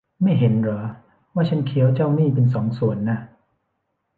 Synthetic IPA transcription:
ma˥˩jɦe˩˦nɾɔː˩˦ | waː˥˩t͡ɕʰa˦˥nkʰi˩˦əwt͡ɕaː˥˩wniː˥˩pe˧nsɔː˩˦ŋsu˨˩ənːa˦˥˩

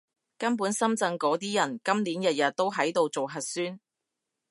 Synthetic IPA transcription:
kɐ˥np̬uː˨˥nsɐ˥mt͡sɐ˧ŋkɔː˨˧˥t̪iː˥jɐ˨˩nkɐ˥mliː˨˥njɐ˨t̚jɐ˨t̚t̪ːo˥wɦɐ˨˥jt̪o˧wt͡so˨wɦɐ˨t̚syː˥n

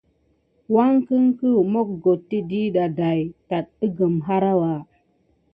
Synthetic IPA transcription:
wa˦ŋkə˦ŋkə˦mo˦k̚ɡo˨tːi˦di˦ɗa˨da˨jta˨t̚i˦ɡə˨mɦa˦ɾa˦wa˨

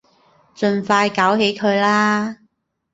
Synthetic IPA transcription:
t͡ʃɵ˧nfaː˧jkaː˨˥whe˨˥jkʰɵ˨˧ɥlaː˥

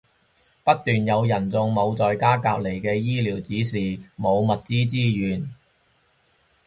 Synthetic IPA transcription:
pɐ˥t̚t̪yː˨njɐ˨˧wjɐ˨˩nt͡sʊ˧ŋmo˨˧wt͡sɔː˨jkaː˥kaː˧p̚le˨˩jkɛː˧jiː˥liː˨˩wt͡siː˨˥siː˨˩mo˨˧wmɐ˨t̚t͡siː˥t͡siː˥jyː˨n

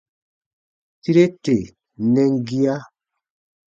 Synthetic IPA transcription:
ti˦ɾe˦te˨ | nɛ˦ŋ˦ɡi˦a˦

